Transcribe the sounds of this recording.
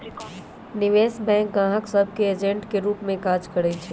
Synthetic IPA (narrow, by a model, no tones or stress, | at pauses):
nɪʋeːsbɛ̃ŋk̚ɡãːɦəksəb̚ʱkeːd͡ʒẽɳʈkeɾuːpmẽkaːd͡ʒkəɾɛt͡ʃʰi